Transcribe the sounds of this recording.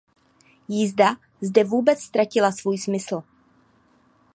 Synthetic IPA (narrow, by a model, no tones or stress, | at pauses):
jɪzda | zdɛvuːbɛt͡sst̪ɾacɪlasvuːjsmɪsl̩